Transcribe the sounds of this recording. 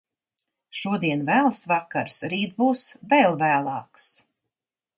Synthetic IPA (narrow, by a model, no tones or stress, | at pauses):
ʃuɔd̪iɛnvæːlˠsvakːaɾsɾiːt̪̚buːsvɛlˠvæːlˠɑːks